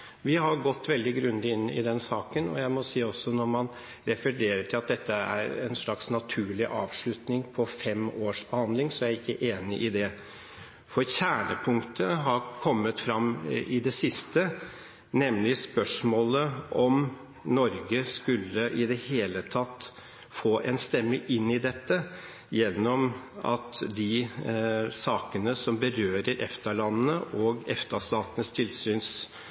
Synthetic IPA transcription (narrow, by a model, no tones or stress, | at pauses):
ʋɪɦɑɾɡɔt̪ːʋɛld̪ɪɡɾʉnd̪ɪɪnːɪ̰d̪ɛnsɑːkənɔ̰jæɪmɔsiːɔsːɔnɔɾmɑn | ɾɛfəɾeːɾəʈʰɪlɑt̪̚d̪ɛt̪ʰːəæ̰ɾɛ̰nʂlɑksnɑt̪ʰʉːɭɪʔɑːʋʂɭʉt̪nɪŋpʰɔfɛmoːʂb̥əhɑnd̪lɪŋsɔæɾɪkːəʔeːnɪʔɪd̪ɛ | fɔɾçæːɳəpʰʊŋt̪ʰəɦɑɾkʰɔmːət̪fɾɑmːɪd̪ɛsɪst̪ə | nɛmlɪspœʂmoːləʔɔm | nɔɾɡəskʉlːəʔɪd̪ɛheːlət̪ʰɑt̪ː | foːʔɛnst̪ɛmːəʔɪnːɪd̪ɛt̪ːə | jɛnːɔmɑ̰t̪d̪ɪ | sɑːkənəsɔmbəɾøːɾəɾʔɛ̰ft̪əɭɑnnəʔɔɡɛ̰ft̪əʂt̪ɑːt̪ənəst̪ʰɪlsyːns